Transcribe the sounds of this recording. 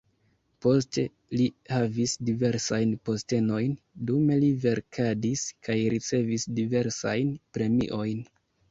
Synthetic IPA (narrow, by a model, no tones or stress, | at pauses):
po̞ste̞ | lihavisdive̞ɾsajnpo̞ste̞no̞jn | dume̞live̞ɾkʰadiskajɾit͡se̞visdive̞ɾsajnpɾe̞mḭʔo̞jn